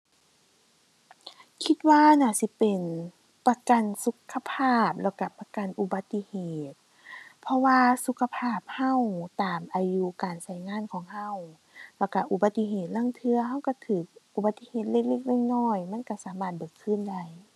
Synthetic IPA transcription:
kʰi˧t̪̚waː˧˨naː˧˩˨si˧˦pe˨˩n | pa˧ka˨nsu˧˦kʰːa˧pʰaː˧˥˩p̚lɛː˧˩wka˧˩pa˧ka˨nʔu˧˩ba˧˦t̪ːi˧heː˨˩t̪̚ | pʰɔ˧waː˧su˧˦kʰa˧pʰaː˧˩p̚ha˧˨wt̪aː˨˩mʔaː˨ju˧˨kaː˨nsa˧˩˨jŋaː˧˥˨nkʰɔː˨˦ŋɦa˧˨w | lɛ˧˩wka˧˩ʔu˧ba˧˦t̪ːi˧˨ɦeː˧˩t̪̚la˧˥˨ŋt̪ʰɯ˧ɐɦa˧˥˨wka˧˩t̪ʰɯː˨˩k̚ʔu˧ba˧t̪ːi˧˨heː˧˩t̪̚le˧˩k̚le˧˩k̚le˧˥˨ŋ̚nɔː˧˩˨jma˧˥˨nka˧˩saː˨˦maː˧˩t̪̚bɤː˨˩kʰːɯː˧˥˨nda˧˩˨j

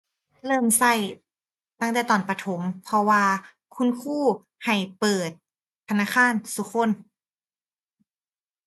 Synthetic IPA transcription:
lɤː˧˥˩msa˧˩j | t̪a˧˥˩ŋt̪ɛː˨˩t̪ɔː˨˩npa˧t̪ʰo˩˦mpʰɔ˧waː˧ | kʰu˧˥˨nkʰuː˥˩ | ha˨˩jpɤː˨˩t̪̚ʰː | a˧naː˧˥˨kʰaː˧˥˨nsu˧˦kʰo˧˥˨n

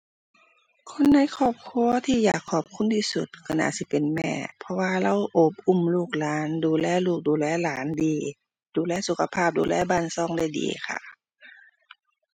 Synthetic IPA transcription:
kʰo˧˥˨nːa˧˥˨jkʰɔː˧˩p̚kʰu˧˥ət̪ʰiː˧ja̰ː˨˩kʰːɔː˧˩p̚kʰu˧˥˨nt̪ʰiː˧˩sṵ˧˩t̪̚kʰa˧˩na̰ː˧˩si˧˦pe˨nmɛ̰ː˧˩˨pʰɔ˧waː˧la˧˥˨wʔo˧˩p̚ʔu˧˩˨mluː˧˩k̚laː˨˦nduː˨lɛː˧˥˩luː˧˩k̚duː˨lɛː˧˥˨laː˨˦ndiː˨˦ | duː˨˦lɛː˧˥˨su˧˥kʰa˧pʰaː˧˩p̚dṵː˨lɛː˧˩˨baː˧˨nsɔː˧˨ŋda˧˥˩jdḭː˨˩kʰa̰˧˩

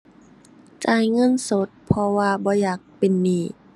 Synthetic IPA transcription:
t͡ɕaː˨˩jŋɤ˧˥˨nso˧˦t̪̚pʰɔ˧waː˧bɔː˧˦jaː˨˩k̚pe˨nːiː˧˩

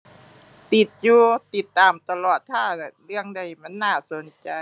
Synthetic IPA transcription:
t̪i˨˩t̪̚juː˧t̪i˨˩t̪ːaː˧mt̪a˧lɔː˨˩t̪ʰːaː˥˩na˧˩ɾɯ˥˩əŋda˧jma˧˥˨nːaː˥˩so˨˩˦nt͡ɕa˧

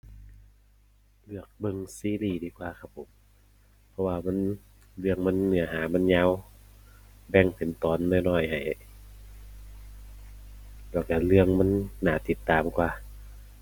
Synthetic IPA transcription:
lɯ˧˩ək̚bɤ˧ŋsiː˧˦˨liː˧˩diː˧˦˩kwaː˧kʰa˧pʰːo˨˦m | pʰɔ˧waː˧ma˧˥˨n | lɯ˧əŋma˧˥˨nːɯ˧˩ɐɦaː˨˦ma˧˥˨nɲaː˧˥˨w | bɛ˧˩ŋpʰe˨˦nt̪ɔː˨˦nːɔː˧˩˨nɔː˧˩jha˨˩j | lɛː˧˩wka˧˩lɯ˧əŋma˧˥˨nːaː˧˩t̪i˧˦t̪ːaː˨mkwaː˧˦

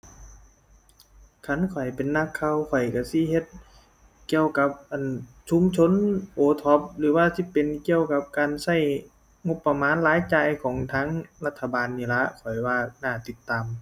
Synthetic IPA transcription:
kʰa˧˥˨nkʰɔ˨˩jpe˨nːa˧˥kʰːa˧wkʰɔ˨˩jka˧˩si˧˥˨he˧˦t̪̚ | ki˧əwka˧˦p̚ʔa˨n | sʰu˧˦mt͡ɕʰo˧˥˨nʔoː˨˦t̪ʰɔ˧˦p̚lɯː˨˦waː˧si˧˥pe˨nki˧əwka˧p̚kaː˨nsa˧˩j | ŋo˧pːa˧maː˨˦nlaː˨˦jt͡ɕaː˧˨jkʰɔː˨˩˦ŋt̪ʰaː˧˥ŋla˧t̪ʰːa˧baː˨nːiː˧˩la˧˥ʔkʰɔ˨˩jwaː˧˩naː˧˩t̪i˧˥t̪ːaː˨m

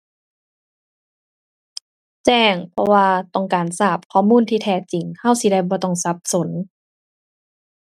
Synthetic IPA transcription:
t͡ɕɛː˧˩ŋpʰɔ˧waː˧t̪ɔ˧˩ŋkaː˨˩nsaː˧˩p̚kʰɔː˧˩˨muː˧˥˨nt̪ʰiː˧t̪ʰɛː˧˩t͡ɕi˨˩ŋha˧˥˩wsi˧da˧˩jbɔː˧˦t̪ɔ˧˩ŋsa˧˦˥p̚so˨˦n

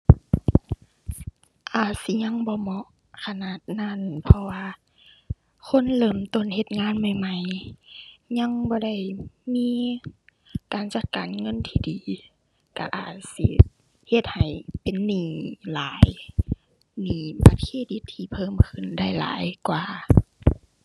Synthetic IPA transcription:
ʔaː˨˩t̪̚si˧˦ɲa˧˥˨ŋbɔː˧˦mɔ˧ʔ | kʰa˧naː˧˨t̪̚na˧˥˨npʰɔ˧waː˧ | kʰo˧˥˨nlɤː˧˩mt̪o˧˥˨nhe˧˦t̪̚ŋaː˧˥˨nma˧˩jma˧˩˨j | ɲa˧˥˨ŋbɔː˧˦da˧˩jmiː˧˥˨ | kaː˨nt͡ɕa˧˩t̪̚kaː˨nŋɤ˧˥˨nt̪ʰiː˧˨diː˨ | ka̰˧ʔaː˨˩t̪̚sḭ˧˦ | he˧t̪̚ha˨˩jpe˨nːiː˧˩laː˨˦j | niː˨˩pa˨˧˩t̪̚kʰeː˧˥˩di˧˦t̪ʰːiː˧pʰɤː˧˥˨mkʰɯ˧˨nda˧˥˩jla̰ː˨˦jkwaː˨˩

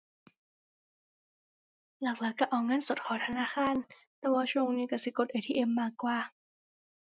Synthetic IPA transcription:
laː˨˩k̚laː˨˩˦kːaː˧˩ʔɔː˨˩ŋaː˧˥˨nso˨˩t̪̚kʰɔː˨˩˦t̪ʰa˧naː˧˥˨xaː˧˨n | t̪ɛː˧˩waː˧t͡ɕʰoː˧˨ŋniː˧ka˧˩si˧˦ko˧˩t̪ʔeː˧˩t̪ʰiː˧ʔe˧˩mːaː˧˩kːwaː˧˩

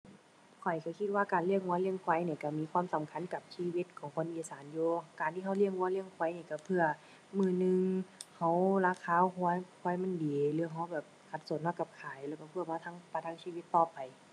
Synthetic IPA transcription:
kʰɔ˨˩jka˧˩kʰi˧t̪̚waː˧˩kaː˨˩nli˧˩əŋwu˧˦˨li˧˩əŋkʰwa˧˦jniː˧˩ka˧˩miː˧˥˨kʰwaː˧˥˨msa˨˦mkʰa˧˥˨nka˨˩p̚siː˧˨wi˧t̪̚kʰɔː˨˦ŋkʰo˧˥˨nʔiː˧˩saː˨˦njuː˧kaː˨nt̪ʰiː˧˨a˧˩wli˧˩əŋwu˧˦li˧˩əŋkʰwɔ˧˦jniː˧˩ka˧˩pʰɯ˧ɐ | mɯː˧˩nɯ˧ŋha˧˩wlaː˧˩kʰaː˧˥˨kʰɔ˧˨jkʰɔ˧˦˨jma˧˥˨ndiː˨˦lɯː˧˦ɐ˧ɦa˧˩wbɛː˨˩p̚kʰa˧t̪̚so˨˦nhɔ˧˥˩ka˧˩p̚kʰaː˨˦jlɛː˧˩wka˧˩pʰɯ˧˩əmaː˧t̪ʰa˧˥˨ŋpa˧˨˩t̪ʰaː˧˥ŋsiː˧˨wi˧˩t̪ːɔː˧˩pa˨˩j

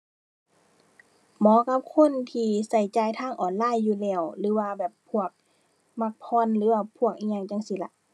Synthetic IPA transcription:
mɔː˨˦ka˧˦p̚kʰo˧˥˨nt̪ʰiː˧sa˧˩jt͡ɕaː˧˩jt̪ʰaː˧˥˨ŋʔɔː˨˩nlaː˧˩˨jːuː˧lɛː˧˩wlɯː˨˦waː˧bɛː˨˩pʰːu˧˩ək̚ | ma˧˩k̚pʰɔː˧˥˨nlɯː˨˦waː˧˩pʰu˧˩ək̚ʔi˧˨ɲa˧˩ŋt͡ɕa˧˨ŋsi˧˦la˧ʔ

